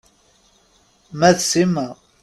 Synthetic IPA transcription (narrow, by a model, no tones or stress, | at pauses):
mæðsima